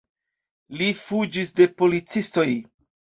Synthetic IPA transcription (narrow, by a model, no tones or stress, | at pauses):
lifud͡ʒisde̞po̞lit͡sisto̞j